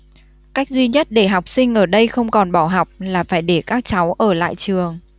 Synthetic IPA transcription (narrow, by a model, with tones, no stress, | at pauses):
ka˦˥jk̚zwi˧ɲə˦˥t̚ɗe˧˩ɦa˨˩wk͡p̚sï˧ŋ̟ʔəː˧˩ɗə˧jxə˧wŋ͡mkɔ˨˩nɓaː˧˩wɦa˨˩wk͡p̚laː˨˩faː˧˩jɗe˧˩kaː˦˥k̚t͡ɕa˨˦wʔəː˧˩la̰ː˧˨jt͡ɕɨ˨˩əŋ